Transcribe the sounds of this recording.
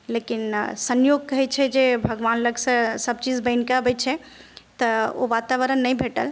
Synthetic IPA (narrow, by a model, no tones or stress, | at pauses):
lekinsənjoɡ̚kəɦɛt͡ʃʰɛd͡ʒebʱəɡʋanləɡsə̃səb̚t͡ʃid͡ʒbəɪnkabət͡ʃʰɛt̪əo̰ʋat̪aʋəɾənːəjbʱeʈəl